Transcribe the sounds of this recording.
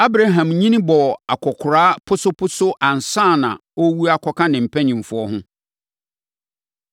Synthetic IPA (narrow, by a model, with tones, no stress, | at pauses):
a˦bɾa˨ɦã˨mɲĩ˦nɪ̃˦bɔ˨a˨kʰɔ˨kʰʊ˨ɾaː˦pʰʊ˦sʊ˦pʰʊ˦sʊ˦ʔã˨n˨sãː˦˨nã̰˨o˦wu˦a˨kʰɔ˦kʰã˦nɪ̃˨m̩˨pʰæ˦ɲĩ˨m˨fʊ˦ɔ˦ɦʊ̃˦